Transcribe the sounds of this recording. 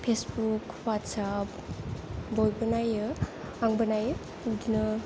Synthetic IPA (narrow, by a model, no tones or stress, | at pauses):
pʰesbuk | watsap | bojbənajɯaŋbənaj | udinɯ